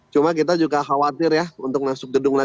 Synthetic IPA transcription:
t͡ʃumak̬it̪ad͡ʒuɡaxawat̪ɪrjaunt̪ʊk̚nasʊk̚dədʊŋla

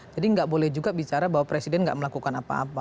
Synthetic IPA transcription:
d͡ʒadiəŋɡaʔbolɛhd͡ʒuɡabit͡ʃaɾabawapɾesidɛnŋɡa̰ʔməlakukanapa̰a̰pa

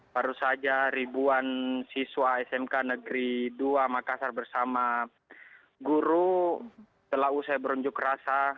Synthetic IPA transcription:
baɾusad͡ʒaɾibuansiswaɛsɛmkanəɡɾiduamakasarbərsama | ɡuɾu | t̪əlaɦusajbəɾuɲd͡ʒʊkrasa

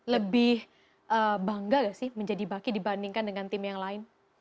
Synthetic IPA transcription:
ləbɪh | ʔəːbaŋɡaɡasɪhməɲd͡ʒadibakidibandiŋkandəŋant̪ɪmjaŋlaɪn

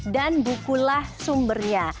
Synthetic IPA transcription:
danbukulahsumbərɲa

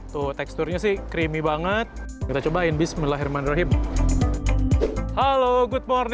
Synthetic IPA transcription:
t̪ʊht̪ɛkst̪ʊrɲasɪhkɾimibaŋət̪̚ | kit̪at͡ʃobaɪnbɪsməlaɦirmanɾɔɦɪm | haloɡʊt̪̚mɔrn

